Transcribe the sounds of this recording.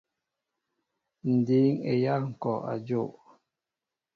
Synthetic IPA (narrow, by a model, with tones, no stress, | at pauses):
n̩˨di˨˦ŋḛ˨ja˦ŋ̩˨kɔ˨a̰˨d͡ʒo˦˨ʔ